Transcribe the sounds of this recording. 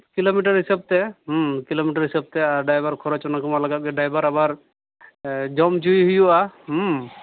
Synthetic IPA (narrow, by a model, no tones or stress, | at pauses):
kilomiʈaɾɦisab̚t̪ɛɦmkilomiʈaɾɦisab̚t̪ɛaɖajbaɾkʰɔɾat͡ʃɔnakɔmalaɡat̪̚ɡɛɖajbaɾabaɾ | d͡ʒɔmd͡ʒujɦujuʔam